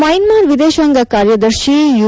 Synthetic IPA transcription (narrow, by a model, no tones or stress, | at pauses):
mɐjnmaːɾʋid̪eːʃʋɐŋɡɐkaːɾjɐd̪ɐɾʃiju